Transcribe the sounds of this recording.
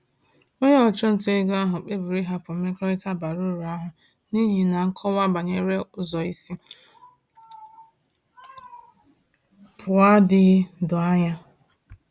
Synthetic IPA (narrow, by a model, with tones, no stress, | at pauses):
o˦ɲe˦ɔ˨t͡ʃʊ˦n̩˨te˦ɡa˦ɦʊ˨k͡pe˦bu˨ɾi˦ɦa˨pʊ˨me˦kɔ˦ɾi˦ta˦˨ba˨ɾʊ˦˨ɾa˦ɦʊ˨ | ni˦ɦi˨na˨ŋ̩˦kʰɔ˦wa˦ba˨ɲe˦ɾe˦ʊ˨zɔ˨i˦si˦ | pʰʊ˨a˦dɪ˦dʊ˨a˦ɲa˦